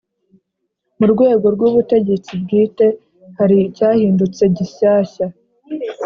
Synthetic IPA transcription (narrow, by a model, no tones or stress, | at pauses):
muɾɡwe̞ːɡo̞ɾɡwuːβute̞ɟe̞t͡sib̚ɡiːte̞ | haɾicaːhiːndut͡se̞ɟiɕaːça